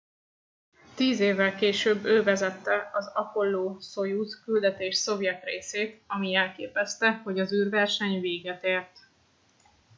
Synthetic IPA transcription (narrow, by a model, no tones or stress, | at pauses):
t̪iːzeːvːɛlkeːʃøːbːøːvɛzɛt̪ːɛɒzɒko̞lːoːsojutkyld̪ɛt̪eːʃso̞vjɛt̪rḛːseːt̪ɒmiɛlkeːpɛst̪ɛho̞ɟɒzyːrvɛrʃɛɲveːɡɛt̪eːrt̪